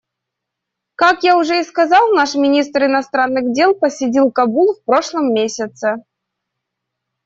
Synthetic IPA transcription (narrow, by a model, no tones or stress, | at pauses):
kakjaʊʐɛiskazɑlˠnaʂmʲɪnʲis̬t̪rɪnast̪ɾanːɨɣdʲelˠpəsʲɪdʲilˠkabulˠfpɾoʂlˠəmːʲesʲət̪sə